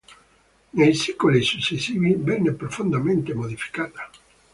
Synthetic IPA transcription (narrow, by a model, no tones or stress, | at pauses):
nejsikolesusesiβibɛnepɾofũnd̪amẽnt̪emoðifi̥kaða